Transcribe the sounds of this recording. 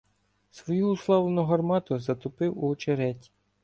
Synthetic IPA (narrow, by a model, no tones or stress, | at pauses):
sʋɔjuːslˠɑwlˠenʊɦɐrmɑt̪ʊzɐt̪ʊpɪwuɔt͡ʃeɾɛtʲ